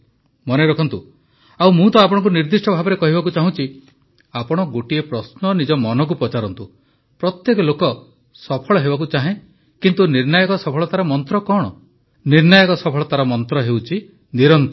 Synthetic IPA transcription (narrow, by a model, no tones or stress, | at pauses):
mɔneɾɔkʰɔnt̪u | awmũt̪ɔapɔɽ̃ɔŋk̬uniɾd̪isʈɔbʱabɔɾekɔɦibak̬ut͡ʃaɦũt͡ʃʰi | apɔɽ̃ɔɡoʈiepɾɔsnɔnid͡ʒɔmɔnɔk̬upɾɔt͡ʃaɾɔnt̪u | pɾɔt̪jekɔlokɔ | sɔpʰɔɭɔɦebak̬ut͡ʃaɦẽ | kint̪uniɾnajɔkɔsɔpʰɔɭɔt̪aɾɔmɔnt̪ɾɔkɔɽ̃ɔ̰ | niɾnɔjɔkɔsɔpʰɔɭɔt̪aɾɔmɔnt̪ɾɔɦewt͡ʃʰi | niɾɔnt̪ɔ